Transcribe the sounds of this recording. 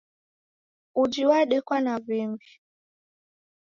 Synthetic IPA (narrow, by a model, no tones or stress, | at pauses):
ud͡ʒiwaɗekwanaviŋɡi